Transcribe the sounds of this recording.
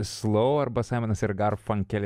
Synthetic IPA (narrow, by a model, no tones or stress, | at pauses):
slˠɔʊɐɾbɐsɑˑɪmʲɛnɐsɪɾɡɐɾfɐŋʲkʲɛlʲ